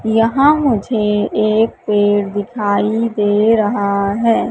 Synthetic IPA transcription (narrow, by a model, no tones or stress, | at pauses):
jəɦãmʊd͡ʒʱeeːk̚peːɽd̪ɪkʰaːid̪eːɾɐɦaɦɛː